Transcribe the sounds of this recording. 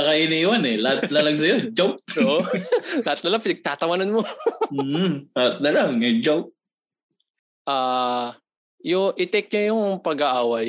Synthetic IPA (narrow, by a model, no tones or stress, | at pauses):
ɐkɐʔinɐiwanɛlaat̪̚lalɐɡs̬ɐjod͡ʒop̚oʔolɐhɐt̪̚nɐlaŋpɪnɐɡ̚t̪aːt̪ɐwɐnɐnmo | lat̪̚nɐlaŋɐjd͡ʒop̚ | ʔaː | jʊŋʔɪt̪ɛk̚ɲojʊŋpɐɡaʔaːwɐj